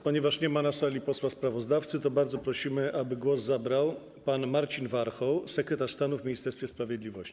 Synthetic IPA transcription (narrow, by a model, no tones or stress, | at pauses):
pɔɲɛvaʂɲɛmanasalʲipɔswaspɾavɔzd̪aft̪sɘt̪ɔbaɾd̪zɔpɾɔɕimɘʔabɘɡwɔzːabɾaw | panmaɾt͡ɕinvaɾxɔwsɛkɾɛt̪aʂst̪anuvmʲiɲist̪ɛɾsfʲjɛspɾavʲjɛd̪lʲivɔɕt͡ɕi̥